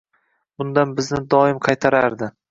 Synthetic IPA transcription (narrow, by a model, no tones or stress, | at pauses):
bʊnd̪anbɪznɪd̪ɒɪmqʰɑjt̪ʰaɾaɾd̪ɪ